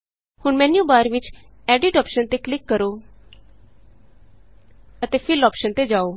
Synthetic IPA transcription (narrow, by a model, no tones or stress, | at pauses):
hʊɳmɛ̃ːnjũːbaːɾʋɪt͡ʃ | ɛːɖɪʈɔːpʃənt̪eːklɪkːəɾoː | ət̪eːpʰɪlɔːpʃənt̪eːd͡ʒaːoː